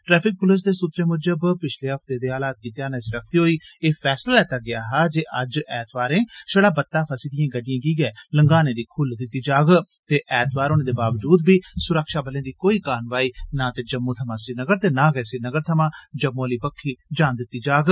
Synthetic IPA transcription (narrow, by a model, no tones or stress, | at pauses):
ʈɾɛːpʰɪk̚pʊlɪs̬d̪eːsʊt̪ɾeːmʊd͡ʒəbpɪt͡ʃʰleːɦəpʰt̪eːd̪eːaːlaːt̪̚kiːt̪ːeaːnɛ̃ːt͡ʃɾək̚ʰt̪iːɦoːiːeːpʰɛːslaːlɛːt̪aːɡɪaːɦaːd͡ʒeːʔəd͡ʒɛːt̪ʰʋaːɾẽːʃəɽaːbət̪ːaːpʰəsiːd̪ɪjãːɡəɖɪjãːkiːɡɛːləŋɡaːnẽːd̪iːkʰʊld̪ɪt̪ːiːd͡ʒaːɡ | t̪eːʔɛːt̪ʰʋaːɾoːnẽːd̪eːbaːʋd͡ʒuːd̪̚biːsʊɾəkʃaːbəlẽːd̪iːkoːiːkaːnʋaːiːnãːt̪eːd͡ʒəmːõːt̪ʰəmãːsɪnəɡəɾt̪eːnãːɡɛːsɪnəɡəɾt̪ʰəmãːd͡ʒəmːõːliːpəkʰːiːd͡ʒaːnd̪ɪt̪ːiːd͡ʒaːɡ